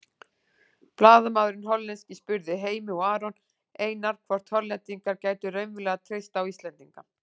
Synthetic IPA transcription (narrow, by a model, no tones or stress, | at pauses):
plaːðamaðɾʏnɦɔlːɛnscɪspʏɾðɪɦeːjmɪɔaːɾɔn | eːjnaɾ̥kʰvɔɾ̥t̪ʰɔɾlɛnt̪iŋkaɾcaːjt̪ʏreɥnvɪlɛɣat̪ʰɾejst̪awist̪lɛnt̪iŋka